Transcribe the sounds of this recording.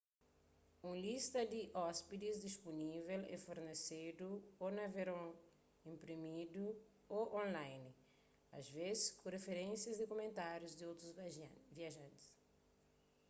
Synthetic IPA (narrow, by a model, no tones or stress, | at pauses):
ũlist̪ɐd̪iʔɔspid̪izd̪ispunivɛlɛ̰foɾnesed̪uonɐveɾõ | ĩmpɾimid̪u | oʔõnlajn | a̰zvezɪskũrefeɾẽnsjɐzd̪ɪkomẽnt̪aɾjuzd̪iowt̪ɾuzviaʒãnt̪i̥s